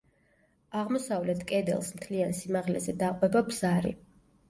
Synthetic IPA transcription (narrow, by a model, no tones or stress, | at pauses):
aʁmɔsavlɛt̪ʰkʼɛd̪ɛ̰lˠsmt̪ʰliansimaʁlɛzɛd̪aqʼwɛbabz̥aɾḭ